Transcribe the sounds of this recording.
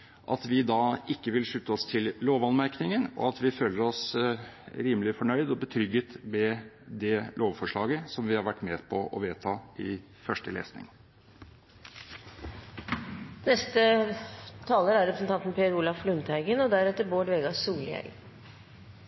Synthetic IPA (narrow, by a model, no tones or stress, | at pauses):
ʔɑt̪ʋɪd̪ɑːɪkːəʋɪlʂʉt̪ːəɔst̪ʰɪlloːʋɑnmæɾknɪŋənɔ̰ɑt̪ʋɪføːləɾɔs | ɾiːməlɪfɔɳœʏd̪ɔbət̪ʰɾʏɡət̪mɛd̪ɛlʔoːʋfɔʂɭɑːɡəsɔmʋɪhɑɾʋæʈːmeːpʰɔʔɔ̰ʋeːt̪ʰɑːɪ | fœʂʈəlḛːsnɪ̰ŋ | nɛst̪ə | t̪ʰɑːləɾæɾɛpɾəsn̩t̪ʰɑnt̪n̩pʰeɾuːlɑʋflʉnt̪ʰæɪɡənɔd̪æɾɛt̪ːəɾboːɖʋeːɡɑsuːlɪɛ̰l